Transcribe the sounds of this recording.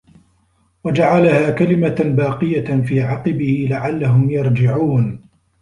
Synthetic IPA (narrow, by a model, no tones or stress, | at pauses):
wad͡ʒaʕalahaːkalɪmabaːqɨjafiːʕɑqɨbɪhɪlaʕalːaɦʊmjɑɾˤd͡ʒɪʕuːn